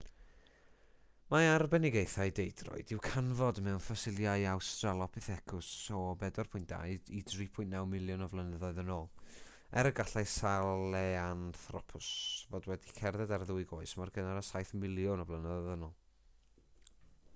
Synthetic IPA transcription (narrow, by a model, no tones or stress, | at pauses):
maarbɛnɪɡejθaɨdejdrɔ̰ɨd̥ɪwkʰanvɔdmɛwnfasɪlˠjaɨawstralˠɔpʰɪθɛkʰʊsɔbɛdɔrpʰʊjntd̥a̰jdidripʰʊɨntːnawmɪlˠjʊnɔvlˠənəðɔɨðənolˠ | ɛɾəɡaɬajsalɛanθrɔpʰʊsvodwɛdikʰɛrðɛdarðʊɨɡoːɨsmarɡənaɾəsajθmɪlˠjʊnɔvlˠənəðɔðənɔlˠ